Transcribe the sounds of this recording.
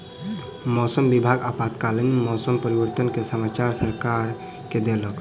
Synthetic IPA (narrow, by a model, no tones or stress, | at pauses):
mɔsəmbibʱaɡapat̪kalənmɔsəmpəɾibəɾt̪ənkesəmat͡ʃaɾsəɾkaɾ | ked̪elək